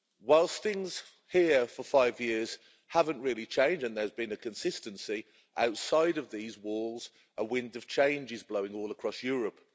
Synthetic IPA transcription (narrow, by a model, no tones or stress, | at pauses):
waɪlˠsθɪ̃ŋz̥ | hiəfəfaɪvjɪəz̥ | havə̃nʔɹɪəlˠit͡ʃʰẽɪ̃nd͡ʒə̃nðəzbĩnəkʰə̃nsɪstə̃nsi | ʔa̰ʊtsaɪɾəvðiːzwɔːlˠz̥ | ʔəwɪ̃ndəv̥t͡ʃʰẽɪ̃nd͡ʒɪzbləʊɪ̃ŋɔːlˠəkʰɹ̥ɒsjɔːɹəp